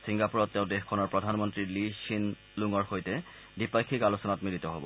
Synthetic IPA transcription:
sʰiŋɡapuɹɔtːɛʊdexkʰɔnɔɹpɹɔdʱanmɔntɹiliʃin | luŋɔɹxojtɛ | dipakʰːikalosɔnatmilit̪ɔɦɔbɔ̰

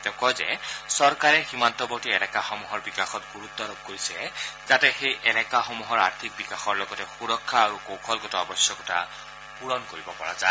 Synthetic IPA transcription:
tɛʊ̃kɔjzɛ̰sɔɹkaɹɛximantɔbɔɹtiɛlɛkaxɔmuɦɔɹbikaxɔtɡuɹut̪ːɔaɹɔb̚koɹisɛzatɛxejʔɛlɛkaxɔmuɦɔɹa̰ɹtʰik̚bikaxɔɹlɔɡɔtɛxuɹɔkʰːaːɹukokʰɔlɡɔtɔɔbɔsjɔkɔta̰ | puɹɔnkoɹibɔpɔɹa̰za̰

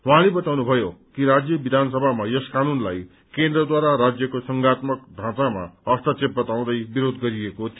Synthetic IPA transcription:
wʌɦãlebʌt̪awnubʱʌjokiɾad͡zjʌbid̪ʱansʌbʱamajʌskanunlaj | kend̪rʌd̪waɾaɾad͡zjʌkosʌŋɡat̪mʌkd̪ʱãt͡sama̰ʌst̪ʌt͡sep̚bʌt̪aw̃d̪ʌjbiɾod̪ɡʌɾiekot̪ʰ

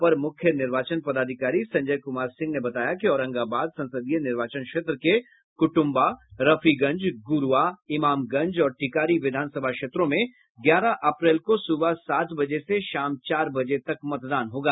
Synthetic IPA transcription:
pɐɾmʊkʰjənɪɾʋaːt͡ʃənpɐd̪aːd̪ʱɪkaːɾisɐ̃ɲd͡ʒəjkʊmaːɾsɪ̃ŋɡnebɐt̪aːjakiɔːɾə̃ŋɡabaːd̪sɐ̃nsəd̪ijənɪɾʋaːt͡ʃənkʃeːt̪ɾəke | kʊʈʊ̃mbaɾɐfiɡɐ̃ɲd͡ʒɡʊɾuʋaɪmaːmɡɐ̃ɲd͡ʒɔːɾʈɪkaːɾiʋɪd̪ʱaːnsɐbʱakʃeːt̪ɾõmẽ | ɡjaːɾaʔɐpɾeːlkosʊbasaːt̪bɐd͡ʒeseʃaːmt͡ʃaːɾbɐd͡ʒet̪ɐkmɐt̪d̪aːnɦoːɡaː

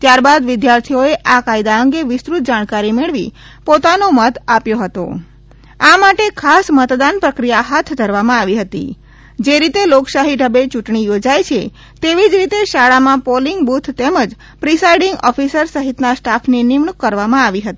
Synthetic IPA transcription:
t̪jaɾbad̪ʋɪd̪jaɾt̪ʰioeʔakajd̪aəŋɡeʋɪst̪ɾut̪̚d͡ʒaɽ̃kaɾimeɭʋḭ | pot̪anomət̪apjoɦət̪o̰ | amaʈekʰasmət̪d̪anpɾəkɾijaɦat̪ʰd̪ʱəɾʋamãaʋiɦət̪ḭ | d͡ʒeɾit̪eloksaɦiɖʱəbet͡ʃuʈɳijod͡ʒajt͡ʃʰe | t̪eʋid͡ʒɾit̪eʃaɭamãpoliŋɡbut̪ʰt̪eməd͡ʒ | pɾisajiɖiŋɡɔ̰fisəɾsəɦit̪nasʈafninimɳukːəɾʋamãaʋiɦət̪i

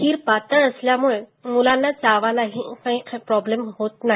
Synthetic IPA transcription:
iːɾpat̪əəsljamuɭemulanːat͡saʋalaɦĩkaɦĩkʰpɾɔblemɦot̪naɦ

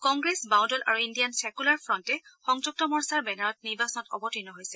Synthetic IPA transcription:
kɔŋɡɹesbaw̃dɔlʔa̰ɹuindijansɛkulaɹfɹɔntɛxɔŋd͡ʒuk̚tɔmɔɹsaɹbɛnaɹɔt̚niɹbasɔnɔtɔ̰bɔtinɔɦojsɛ̥

